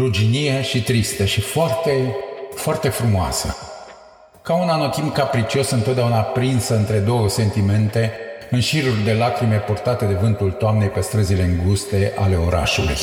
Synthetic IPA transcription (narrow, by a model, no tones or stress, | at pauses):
rud͡ʒinije̞ʃit̪ɾist̪əʃifoart̪e̞foart̪e̞fɾumoa̰sə̰ | kaunano̞t̪imkapɾit͡ʃio̞sɨnt̪ot̪̚d̪eaunapɾinsəɨnt̪ɾe̞d̪o̞wəse̞nt̪ime̞nt̪e̞ɨnʃiɾurʲd̪e̞lakɾime̞port̪at̪e̞d̪e̞vɨnt̪ult̪oamne̞jpe̞st̪ɾəzile̞ɨŋɡust̪e̞ʔa̰le̞o̞ɾa̰ʃulṵj